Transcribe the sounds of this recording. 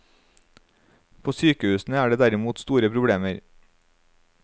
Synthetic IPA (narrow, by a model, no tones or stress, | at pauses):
pʰoːsyːkəʉːsn̩əæːɖeːd̪æɾɪmuːt̪st̪uːɾəpʰɾʊbɽeːməɾ